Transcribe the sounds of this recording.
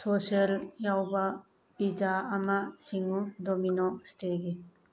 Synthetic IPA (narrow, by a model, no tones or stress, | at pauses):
sosieljawbɐ | id͡ʒaːmasiŋudominɔstʰeɡe